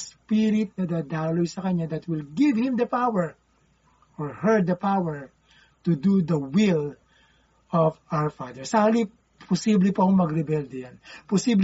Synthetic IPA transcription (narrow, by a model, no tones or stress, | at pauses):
spɪɾɪt̪̚nɐd̪ɐd̪aːlojsɐkɐɲad̪ɐt̪wɪlɡɪvhɪ̃md̪ɐpawɛɹ | ʔɔɹhɛɹd̪̚d̪ɐpawɛɹ | t̪ud̪ud̪ɐwɪl | ɔfawɛɹfad̪ɛɹsɐali | pʰɔsiblɪpɐkoŋmɐɡɾɛbɛld̪ɛjanpɔsibl